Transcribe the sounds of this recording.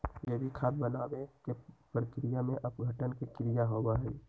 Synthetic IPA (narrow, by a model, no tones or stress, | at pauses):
jebʱikʰaːb̚bənaːbẽkepɾəkɾijamẽʔəpɡʱəʈənkekɾijaɦoɡaɦɛi